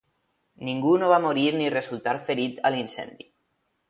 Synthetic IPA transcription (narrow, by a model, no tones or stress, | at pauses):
niŋɡunoβamoɾiɾnirezulˠt̪aɾfeɾit̪əlinsɛ̰nd̪i